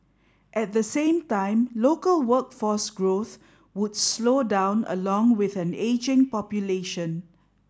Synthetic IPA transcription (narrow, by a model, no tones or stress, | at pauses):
ʔɛt̚d̪əsẽːmtãɪ̃mlokəlwəkfɔsɡɹoθ | wʊdslodãʊ̃nə̰lɔ̃ŋwɪθɛ̃ned͡ʒɪ̃ŋpɔpjuleʃə̃n